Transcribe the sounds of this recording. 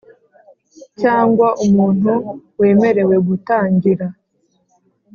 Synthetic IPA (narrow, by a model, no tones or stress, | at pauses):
caːŋɡwaʔumuːn̥uwe̞ːme̞ɾe̞we̞ɡutaːɲɟiɾa